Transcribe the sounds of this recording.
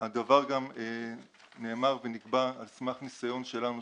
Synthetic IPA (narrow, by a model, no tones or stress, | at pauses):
had̪avaʁɡame | ne̞ːmaʁveniɡbaːlsmaχnisajo̞nʃe̞lanu